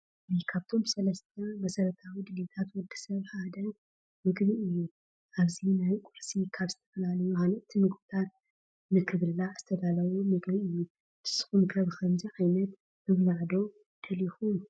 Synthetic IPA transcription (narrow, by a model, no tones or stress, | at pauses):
ikʰaβt̪ʰo̞msɐlɐst̪ʰɐmɐsɐɾɐt̪ʰawid̪ɨnet̪ʰat̪wɔd̪ɨ̥sɐβħad̪ɐ | mɨɡβɨʔɨjːu | aβzinajkʼuʕsikʰaβzɨt̪ʰɐ̥fɐlalɐjuanɐʔt̪ʰimɨɡbɨt̪ʰat̪̚ | nɨkʰɨβɨlːaz̥ɨt̪ʰɐd̪alɐβumɨɡβiʔɨjːu | t̪ɨ̥sɨ̥xumkʰɐβkʰɐmziʕajnɐt̪ | mɨβlaʕd̪o̞ | d̪̥ɐlixum